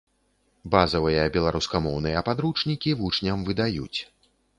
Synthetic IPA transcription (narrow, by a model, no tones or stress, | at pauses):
bazɐvɨjɐbʲɛlˠaɾuskamɔwn̪ɨjɐpad̪ɾut͡ʂnʲikʲivut͡ʂnʲɐmvɨd̪ajṵt͡sʲ